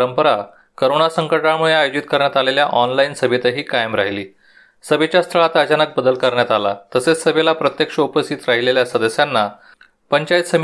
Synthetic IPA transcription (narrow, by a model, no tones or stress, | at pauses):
ɾəmpəɾa | kəɾonasəŋkəɭʈamuɭeajud͡ʑit̪̚kəɾɳjat̪aleljaʔɔnlainsəbʱit̪əɦiːkajəmɾa̰ɦiliː | səbet͡ɕast̪ʰəɭat̪ət͡ɕanək̚bəd̪əlkəɾɳjat̪ala̰t̪əset͡ssəbelapɾət̪jekʂəupəst̪ʰit̪ɾaɦileljasəd̪əsjanːa | pəɲt͡ɕajt̪səm